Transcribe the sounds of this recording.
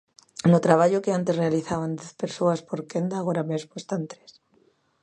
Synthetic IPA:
not̪ɾaβ̞aʎokeant̪e̞zre̞aliθaβand̪eθpe̞ɾsoaspo̞ɾkend̪aɣoɾamezmoest̪ant̪ɾes

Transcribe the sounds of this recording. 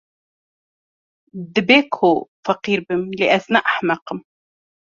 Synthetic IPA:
d̪ɪbeːkʰofɑqiːɾbɪmlɪʔæθnaːʔaħmɑqəm

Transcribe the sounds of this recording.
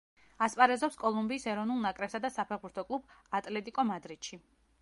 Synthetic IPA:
aspʼaɾɛzɔpskʼɔlˠumbiːsɛɾɔvnulˠnakʼɾɛpsad̪asapʰɛʁbuɾt̪ʰɔkʼlˠubat̪ʼlɛt̪ʼikʼɔmad̪ɾit̪ʃi

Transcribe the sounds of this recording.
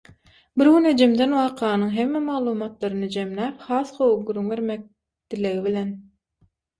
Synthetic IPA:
biɾɡyned͡ʒemd̪e̞nwɑːqʰɑːnɯŋɦe̞mːemɑɣlˠuːmɑt̪lˠɑɾɯnɯd͡ʒemlæːphɑːθqʰo̞wuq̚ɡuɾːyŋβe̞ɾmek̚ | d̪̥ileɣiβilʲen

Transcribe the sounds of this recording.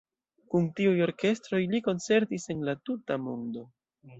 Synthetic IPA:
kuntiujo̞ɾke̞stɾo̞jliko̞nt͡se̞ɾtise̞nlatutamondo̞

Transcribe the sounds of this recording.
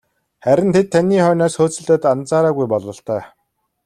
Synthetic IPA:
χæɾʲɪ̆nt̪ʰet̪ʰːæniːχœːnɔːsxoːt͡sɵ̆ɮt̪ə̆ːt̪ant͡saːɾaːɣujpɔɮɞ̆ɬt̪œː

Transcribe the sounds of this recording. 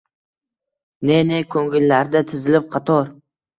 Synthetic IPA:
ne̞nekʰɵŋɡɪlːaɾd̪at̪ʰɪzɪlɪp̚qʰɑt̪ʰɒɾ

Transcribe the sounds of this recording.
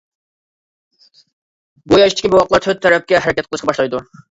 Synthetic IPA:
bujɑiʃt̪ɪ̥kʲibɪwɑq̪lˠɑɾt̪ʰøt̪̚t̪ʰːɛɾɛp̚kʲɛɦæɾɪkʲɛt̪̚qʰəlˠɨʃqɑbɑʃlˠɑjd̪u

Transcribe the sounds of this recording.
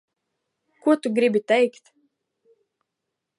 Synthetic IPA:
kuɔt̪uɡɾibʲit̪ɛjkt̪

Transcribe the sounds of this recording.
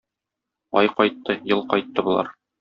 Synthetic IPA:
ɒjqɒjt̪ːɤjɤlˠqɒjt̪ːɤbŭlˠɑ̰ɾ

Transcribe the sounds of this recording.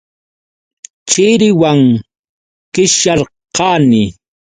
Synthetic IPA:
t͡ʃɪɾɪwaŋ | kɪʃaɾ | qɑːnɪ

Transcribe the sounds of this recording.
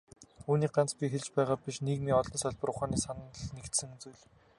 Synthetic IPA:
uːniːk̚ɢant͡spʲixeɮt͡ɕpæːʁaːpʲiʃneɣmiːɔɮɞ̆nsɔɮʲpə̆ɾʊχaːniːsan̆ːɮnekt̪sɘ̆ŋt͡sujɮ

